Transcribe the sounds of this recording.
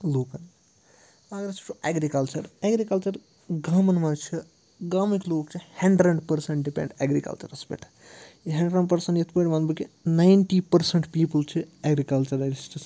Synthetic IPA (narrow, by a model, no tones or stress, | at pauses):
loːkɐn | aːɡɾɐt͡ʃʰi̥ʈuʔeːɡɾikɐlt͡ʃɐɾeːɡɾikɐlt͡ʃɐɾ | ɡaːmɐnmɐt͡ʃʰi | ɡaːmikloːkt͡ʃʰihɐɳɖɾɐɳɖpɐɾsɐ̃ɳʈɖipḛ̃ɳɖeːɡɾikɐ̰lt͡ʃɐ̰ɾɐspḛʈʰ | iɦɐɳɖɾɐɳɖpɐɾsɐɳʈjɐt̪ʰpɐʈmɐnbɐkinajɳʈiːpɐɾsɐɳʈpiːpəlt͡ʃʰieɡɾikɐlt͡ʃɐɾɐɾist͡ʃʰis